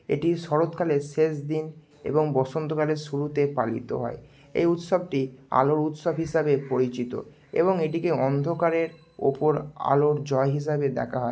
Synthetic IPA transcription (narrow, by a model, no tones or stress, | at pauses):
ḛʈiʃɔɾot̪kʰaleʃeʃd̪in | ḛboŋbɔʃont̪okaleʃuɾut̪epalḭt̪o̰ɦɔe | ḛjut̪ʃob̚ʈia̰loɾut̪ʃobɦiʃabepoɾit͡ɕit̪o̰ | ḛβoŋeʈikeɔnd̪ʱokaɾeɾ | o̰poɾa̰loɾd͡ʑɔeɦiʃ̬abed̪ɛ̰kʰaɦɔe